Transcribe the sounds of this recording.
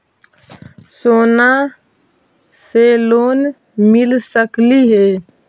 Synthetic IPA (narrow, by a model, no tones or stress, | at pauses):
soːna | seloːn | mɪlsəkliɦeː